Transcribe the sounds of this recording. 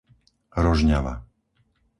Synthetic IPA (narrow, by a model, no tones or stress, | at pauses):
ɾɔʒɲaʋa̰